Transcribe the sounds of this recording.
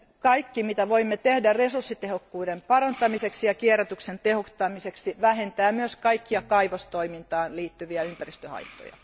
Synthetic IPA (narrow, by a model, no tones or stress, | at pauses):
kɑikːimit̪æʋoimːet̪ehdæresursːit̪ehokːuːdempɑrɑnt̪ɑmiseksijɑkieræt̪yksent̪ehot̪ːɑmiseksiʋæhent̪æːmyøskɑikːiɑkɑiʋost̪oimint̪ɑːnliːt̪ːyʋiæympærist̪øhɑ̰it̪ːˑo̰jɑ̰